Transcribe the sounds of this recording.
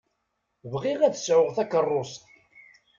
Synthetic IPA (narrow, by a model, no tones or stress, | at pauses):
vʁiʁæðsʕʊʁθækːərˤːʊst̪